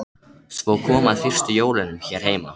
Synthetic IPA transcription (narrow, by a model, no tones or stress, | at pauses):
svoːwkʰɔːmaðfɪr̥st̪ʏjoːwlɪnʏmçɛːɾ̥heːjma